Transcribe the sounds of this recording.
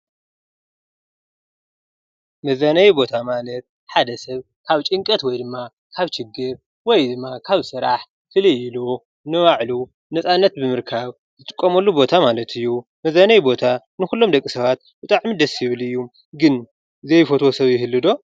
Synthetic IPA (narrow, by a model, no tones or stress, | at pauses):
mɐzanɐjbo̞t̪ʰamalɐt̪̚ | ħad̪ɐsɐβ | kʰaβt͡ʃʼɨŋkʼɐt̪wɔjd̪ɨmːa | kʰaβʃɪɡːɨɾ | wɔjd̪ɨmːakʰaβsɨɾaħ | fɨlɨjɪlu | nɨwaʕlu | nɐsʼanːɐt̪̚bɨmɨɾkʰaβ | zɨt̪ʼɨkʼːomɐlːubo̞t̪ʰamalɐt̪ʰɨjːu | mɐzanɐjbo̞t̪ʰa | nɨxulːo̞md̪ɐkʼːisɐβat̪̚ | bɨt̪ʼaʕmid̪ɐsjɪβɨlɨjːu | ɡɨn | zɐjfot̪ʰo̞sɐβjɪhɨlːɨd̪o̞